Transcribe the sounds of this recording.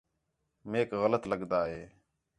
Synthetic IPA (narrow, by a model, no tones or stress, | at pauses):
meːkɣələt̪ləɠd̪aːɦeː